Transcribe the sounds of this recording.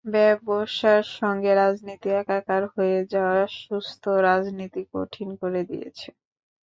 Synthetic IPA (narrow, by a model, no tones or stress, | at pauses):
bɛboʃaɾʃɔŋɡeɾad͡ʑnit̪iɛkakaɾɦoed͡ʑaoaʃust̪ʰoɾad͡ʑnit̪iko̰ʈʰinkoɾed̪ḭjḛt͡ɕʰe